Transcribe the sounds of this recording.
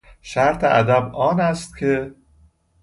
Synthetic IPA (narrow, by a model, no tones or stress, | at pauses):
ʃæɾt̪ʰeʔæd̪æbɒːnæst̪̚cʲʰe